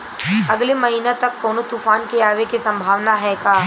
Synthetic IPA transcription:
ɐɡlemɐɦiːnet̪ɐkːɔːnot̪uːfaːnkeaːʋekisɐ̃mbʱaːʋnaɦɛkaː

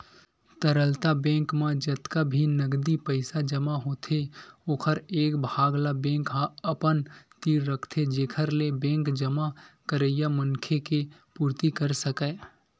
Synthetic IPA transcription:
t̪əɾəlt̪abɛ̃ːŋkmãd͡ʒət̪kabʱinəɡd̪ipəɪsad͡ʒəmaɦoːt̪ʰeoːkʰəɾeːkbʱaːɡlabɛ̃ːŋkɦãəpənt̪iːɾːəkʰt̪ʰed͡ʒeːkʰəɾlebɛ̃ːkd͡ʒəmakəɾəjamənkʰekepuːɾt̪ikəɾsəkɛ

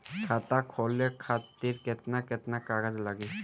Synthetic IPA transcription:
kʰat̪akʰɔlekʰat̪ːiɾket̪naket̪nakaɡəd͡ʒlaɡi

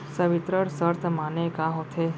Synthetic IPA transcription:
səʋɪt̪ɾəɽsəɾt̪ʰmanekaɦot̪ʰe

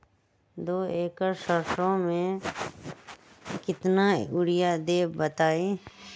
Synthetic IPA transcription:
d̪oːeːkəɾsəɾʃõmẽ | kɪt̪naʊɽɪjad̪eːbət̪aːeː

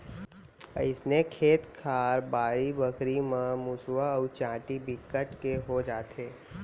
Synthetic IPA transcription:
ɪsnekʰeːt̪kʰaːɾbaːɾibəkɾimãmʊswaːt͡ʃãːʈibɪkəʈkeɦod͡ʒaːt̪eː

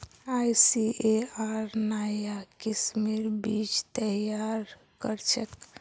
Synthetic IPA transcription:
ajsieaɾnajakismiɾbit͡ʃt̪əjaɾ | kəɾt͡ʃʰək

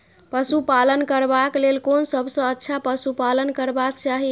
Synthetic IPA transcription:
pəsupalənkəɾbaklelkonsəbʱsə̃ətːt͡ʃʰapəsupalənkəɾbakt͡ʃaɦi

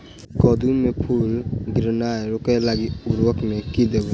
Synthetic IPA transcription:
kɔd̪umepʰulɡɾnajɾɔkajlaɡituɾwɔkmekid̪ebɔ

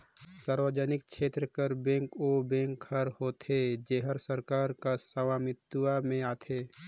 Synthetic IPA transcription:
saːɾwəd͡ʒənɪk̚ʃʰeːt̪ɾəkəɾbẽːŋkobẽːŋkʰhəɾhoːt̪ʰed͡ʒeːɦəɾsəɾkaːɾkasəʋaːmɪt̪uwamẽaːt̪ʰeː

